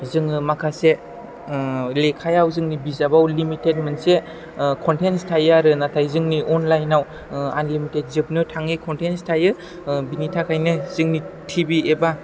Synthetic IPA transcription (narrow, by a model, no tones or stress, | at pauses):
zɯŋɯmakʰase | lekʰajawzɯŋnibizabawlimitet̚manse | kʰɔntenstʰajaɾɯnatʰajzɯŋniʔɔnlajnaw | a̰nlimitet̚zɯp̚nɯtʰaŋikʰɔntenstʰajɯ | binitʰakʰajnɯzɯŋnitʰibieba